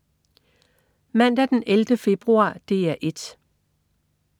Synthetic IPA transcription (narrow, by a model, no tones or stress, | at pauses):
mæn̰d̥æd̥enʔeld̥əfe̝b̥ʁuɑ̰̈ːd̥e̝ːæʔe̝d̥